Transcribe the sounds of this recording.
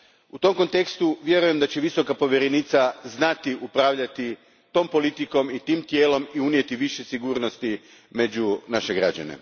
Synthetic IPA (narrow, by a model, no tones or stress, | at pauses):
ut̪o̞mko̞nt̪e̞kst̪uʋje̞ɾuje̞md̪at͡ɕe̞ʋiso̞kapo̞ʋjeɾenit̪saznat̪iʔupɾaːʋʎat̪i | t̪o̞ːmpo̞lit̪iko̞mit̪iːmt̪je̞ːlo̞miunje̞t̪iʋiʃesiɡuːɾno̞st̪i | me̞d͡ʑunaʃe̞ɡɾa̰d͡ʑa̰ne̞̰